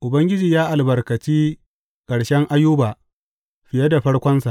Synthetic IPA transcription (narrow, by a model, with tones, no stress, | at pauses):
ʔʊ˨bɐ˦ŋɡʲɪ˦d͡ʒiː˨jaː˦ʔa˨lbɐ˨rkɐ˨t͡ʃiː˦ | kʼɐ˨ɽʃɛ˦ŋʔa˦jʊː˦baː˨ | ɸɪ˨jɐ˦da˨ɸɐ˦ɽkʷɔ˦nsa˨ʔ